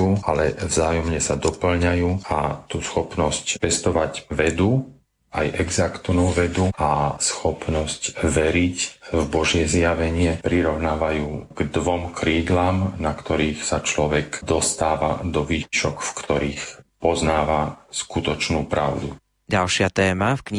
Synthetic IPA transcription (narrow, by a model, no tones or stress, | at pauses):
uːalɛvzaːjɔmɲɛsad̪ɔpl̩ɲajuːa̰t̪usxɔpnɔscpɛst̪ɔʋaɟʋɛd̪u | ajʔɛɡzakt̪nuːʋɛd̪uasxɔpnɔscʋɛɾicvbɔʒɪjɛzjaʋɛɲɪɛpɾiɾɔʊnaːʋajuːɡ̥d̪ʋɔmkʰɾiːd̪laːmnakt̪ɔɾiːxsat͡ʃlɔʋɛkd̪ɔst̪aːʋa̰d̪ɔʋiːciʃɔkfkt̪ɔɾiːxpɔznaːʋaskut̪ɔt͡ʃnuːpɾa̰ʊd̪u | ɟalʃɪat̪ɛːmafkɲ